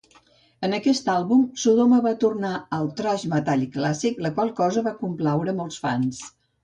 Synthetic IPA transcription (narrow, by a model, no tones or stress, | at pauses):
ənəkɛst̪alˠβumsuðoməβat̪urnaəlˠt̪ɾaʒmət̪aʎiklasikləkwalˠkɔzəβakumplawɾəmɔlˠsfans